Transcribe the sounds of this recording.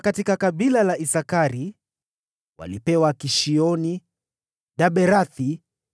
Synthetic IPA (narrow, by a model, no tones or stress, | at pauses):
katikakaɓilalaʔisakaɾi | wa̰lipɛwakiʃiɔni | ɗaɓɛɾaθi